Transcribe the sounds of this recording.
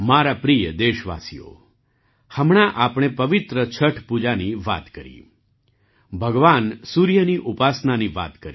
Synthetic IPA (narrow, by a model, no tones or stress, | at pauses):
maɾapɾijəd̪eʃʋa̰sijo̰ | həmɳ̃aʔapɽ̃epəʋɪt̪ɾət͡ʃʰəʈʰpud͡ʒaniʋa̰t̪kəɾḭ | bʱəɡʋansuɾjəniʔupasnaniʋa̰t̪kəɾi